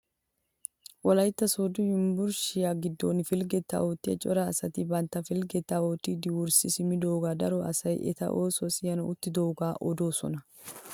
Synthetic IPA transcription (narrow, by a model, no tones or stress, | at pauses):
wɔlɐjt̪ːɐsoːd̪ʊjɪmbʊɾʃɪjaːɡɪd̪ːo̰ːnfɪlɡɛt̪ːa̰oːt̪ːɪɐ̰t͡ʃʼɔɾaːsɐt̪ɪbɐnt̪ːɐfɪlɡɛt̪ːaːoːt̪ːɪd̪ɪwʊɾsɪsɪmɪd̪o̞ːɡaːd̪ɐɾɔɐ̰sɐjʔɛ̰t̪ɐ̰ʔoːsosɪjɐnɐʊt̪ːɪd̪oːɡaːʔɔd̪o̞ːsɔ̰nɐ